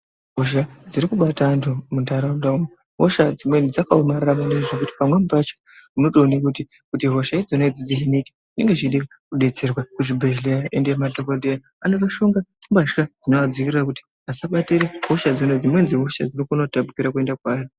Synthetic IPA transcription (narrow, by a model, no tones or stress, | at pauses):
ɦoʃad͡ziɾikuɓatantʰumundaɾandaume | ɦoʃad͡zimwenid͡zakaomariramuneiʐok̬uti̥pamwe̞mubat͡ʃḁ | muno̞toːnikutikutiɦo̞ʃaid͡zoned͡zid͡ziɦinike̥ʐine̞ŋɡe̞ʐiɗika | kuɗe̞t͡se̞rwakuʐibʱeʒlejaʔendemadʱokodʱeja | anotoʃo̞ŋɡatimbaʃkad͡zinoad͡zikirirakuti̥ | ɦasaɓateɾeɦo̞ʃad͡zinod͡zimwe̞nziɦo̞ʃa̰d͡zirikunotabukiɾakue̞ndakwaːro